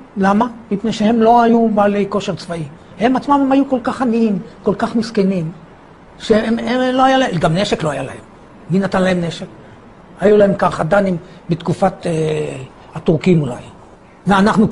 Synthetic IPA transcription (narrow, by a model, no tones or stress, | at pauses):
lamamipne̞jʃehe̞mlo̞ajubaːle̞jko̞ʃe̞ʁt͡svai | he̞mat͡smamemhajuko̞lkaχaniimko̞lkaχmiskenim | ʃemeloajalaeɡamneʃeklo̞ajalahem | minat̪anlahe̞mneʃek | hajulahe̞mkaχad̪anim | bet̪kufat̪e | at̪uʁkimula̰j | veanaχnu